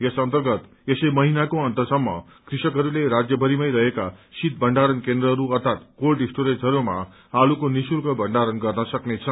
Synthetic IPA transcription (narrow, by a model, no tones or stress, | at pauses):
jʌsʌnt̪ʌrɡʌt̪ | esʌjmʌɦinakoʌnt̪ʌsʌmːʌ̰ | krisʌkɦʌɾuleɾad͡zjʌbʱʌɾimʌjɾʌɦekasit̪̚bʱʌɳɖaɾʌnkend̪ɾʌɦʌɾuʌrt̪ʰat̪kolɖisʈoɾed͡zʌɾuma̰ | alukonisuɾkʌbʌɳɖaɾʌnɡʌrnʌsʌknet͡sʰʌ